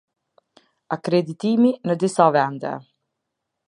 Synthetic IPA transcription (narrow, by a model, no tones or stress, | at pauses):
akɾed̪it̪iːminəd̪isɔvɛnd̪ɛ̰